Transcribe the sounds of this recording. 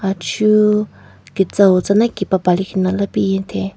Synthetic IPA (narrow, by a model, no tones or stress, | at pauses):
at͡ʃʰu | kit͡sawot͡sanakipapalikʰinalapijint̪ʰe